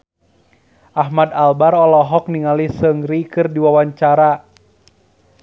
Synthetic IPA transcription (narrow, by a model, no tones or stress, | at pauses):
ʔaɦmadalbarɔlɔɦɔk̚niŋalisəŋɾikɨrdiwawaɲt͡ʃaɾa